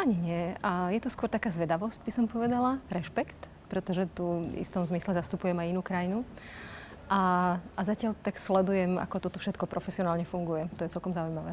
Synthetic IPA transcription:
ʔaɲiɲɪɛajɛt̪ɔskwɔɾt̪akaːzʋɛd̪aʋɔscbisɔmpɔʋɛd̪alaɾɛʃpɛkt̪ | pɾɛt̪ɔʒɛt̪uḭst̪ɔmzmislɛzast̪upujɛmajinuːkɾajinu | ʔaazacɪaʎt̪akslɛd̪ujɛma̰kɔt̪ɔt̪ɔfʃɛt̪kɔpɾʔɔfɛsiɔnaːlɲɛfuŋɡujɛt̪ɔjɛt͡sɛlkɔmzaujmaʋɛː

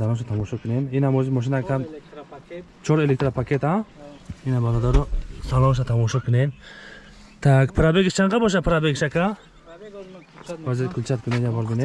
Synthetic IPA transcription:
d̪alɔʃ̬at̪ʰamɔʃɔkʰuneminamɔzimɔʃ̬inakʰam | t͡ʃʰɔɾelek̚t̪ɾapʰakʰet̪ã | inabalɔd̪aɾɔsalɔʃ̬at̪ʰamɔʃɔkʰunem | t̪ʰakpʰɾabeɡit͡ʃʰaŋqabɔʃ̬apʰɾabeɡʃakʰa | bazikʰult͡ʃʰat̪kʰuned͡ʒabɔɾbine

